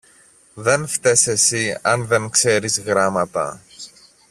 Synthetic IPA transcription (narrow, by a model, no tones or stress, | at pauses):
ðe̞nft̪e̞se̞siɐnðe̞nkse̞ɾizɣɾɐmɐt̪ɐ̰